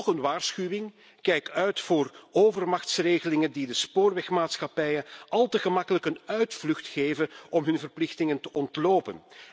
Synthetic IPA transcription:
xənʋaːrsxyʋɪŋ | kɛjkœɥtfoːroːvərmɑxtsreːɣəlɪŋəndidəspoːrʋɛxmaːtsxɑpɛjənɑlˠtəɣəmɑkələkənœɥtflɵxtxeːvənɔmɦɵnvərplɪxtɪŋəntəʔɔntloːpən

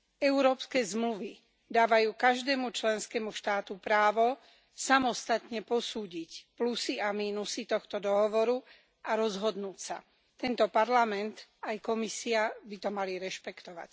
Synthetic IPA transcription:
ɛuɾɔːpskɛːzmluʋi | d̪aːʋajuːkaʒd̪ɛːmut͡ʃlɛnskɛmuʃt̪aːt̪upɾaːʋɔ | samɔst̪at̪ɲɛpɔsuːɟicplusiamiːnusit̪ɔxt̪ɔd̪ɔɦɔʋɔɾu | ʔaɾɔzɦɔd̪nuːcsa̰ | t̪ɛnt̪ɔpaɾlamɛnt̪ajkɔmisiabit̪ɔmaliɾɛʃpɛkt̪ɔʋa̰c

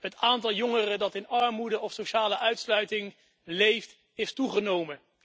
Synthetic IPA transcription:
ɦətaːntɑlˠjɔŋərədɑtɪnɑɹmudəʔɔfsoʃaːləʔœɥtslœɥtɪŋ | lejft | estuχənowmə

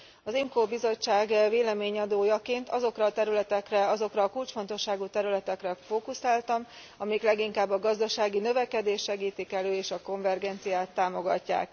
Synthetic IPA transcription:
ɒzimkoːbizo̞t͡ʃːaːɡveːlɛmeːɲɒd̪oːjɒkeːnt̪ɒzo̞krɒːt̪ɛɾylɛt̪ɛkrɛɒzo̞krɒːkult͡ʃfo̞nt̪o̞ʃːaːɡut̪ɛɾylɛt̪ɛkrɛfoːkusaːlt̪ɒm | ɒmɛjiklɛɡiŋkaːbːɒɡɒzd̪ɒʃaːɡinø̞vɛkɛd̪eːʃʃɛɡiːt̪ikɛløːeːʃɒko̞ɱvɛrɡɛnt̪sijaːt̪ːaːmo̞ɡɒ̰cːa̰ːk

